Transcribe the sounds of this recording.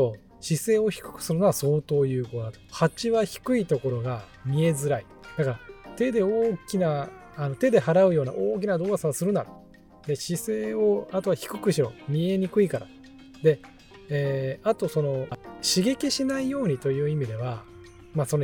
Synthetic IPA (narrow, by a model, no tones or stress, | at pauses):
o | ɕise̞ːo̞çi̥kɯ̟̥kɯ̟̥sɨɾɯ̟noaso̞ːt̪o̞ːjɯ̟ːko̞d̪at̪ohat͡ɕiβaçi̥kɯ̟it̪o̞ko̞ɾo̞ɡa | mʲie̞zɨɾai | d̪̥akaɾat̪e̞d̪e̞oːkʲinaː | no̞t̪e̞d̪e̞ɦaɾaɯ̟jo̞ːna̰ʔoːk̬ʲinad̪o̞ːasaβsɨɾɯ̟naɾɯ | d̪e̞ɕise̞ːo̞at̪o̞βaçi̥kɯ̟kɯ̟ɕiɾo̞̰mʲie̞ɲ̟ikɯ̟ikaɾa̰ | d̪e̞ | eːat̪o̞so̞no̞ɕiɡe̞kʲiɕinaijo̞ːɲ̟it̪o̞jɯ̟ːimʲid̪e̞β̞a | maso̞n